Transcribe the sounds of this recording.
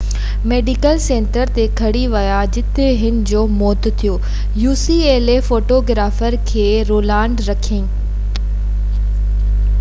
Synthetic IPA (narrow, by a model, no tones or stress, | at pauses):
meːɖikəlsẽːɳʈəɾt̪ekʰɐɽiʋɐjad͡ʑɪt̪eɦɪnɪ̆d͡ʑoːmɔːt̪t̪ʰijoː | juːsieːlefoːʈoɡɾaːfəɾkʰeː | ɾoːlaːɳɖɾɐkʰĩː